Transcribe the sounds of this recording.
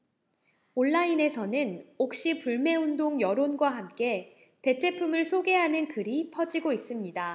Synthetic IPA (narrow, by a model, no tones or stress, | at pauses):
oɭːaine̞sʰʌnɯnok̚ɕ͈ipuɭme̞undoŋjʌɾonɡwaɦamk͈e̞ | te̞t͡ɕʰe̞pʰumɯɭsʰoɡe̞ɦanɯnkɯɾipʰʌd͡ʑiɡois͈ɯmɲida